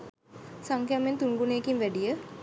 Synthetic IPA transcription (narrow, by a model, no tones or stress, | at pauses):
saŋkjament̪unɡuneːkimʋæɖijə